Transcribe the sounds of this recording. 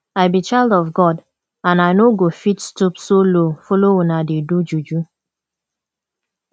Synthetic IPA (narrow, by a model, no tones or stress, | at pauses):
aɪbit͡ʃaɪldɔfɡɔd | ãnaɪnoɡofitstupsolofoloonadedud͡ʒud͡ʒu